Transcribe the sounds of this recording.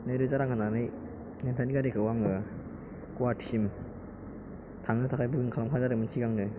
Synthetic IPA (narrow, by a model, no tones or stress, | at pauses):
nɯjɾɯzaɾaŋkʰɯnanɯj | nentʰaniɡaɾekʰɯwaŋɯ | kuatʰiim | tʰaŋnɯtʰakʰajbɯɡɯnkʰalamkʰazaɾɯmɯntʰiɡaŋnɯ